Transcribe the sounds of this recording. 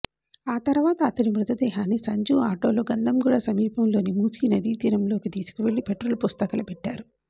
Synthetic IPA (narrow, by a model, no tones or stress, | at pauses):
aːt̪ɐɾʋaːt̪ɐːt̪ɐnimɾut̪ɐd̪ɛːɦaːnisɐɲd͡ʒuːaːʈo̞ːlo̞ːɡɐnd̪ɐmɡuːɽasɐmiːpɐmlo̞ːnimuːsiːnɐd̪iːt̪iːɾɐmlo̞ːkit̪iːsu̥kiʋe̞ɭːipeʈɾulupust̪ɐkɐlɐpeʈːaːɾu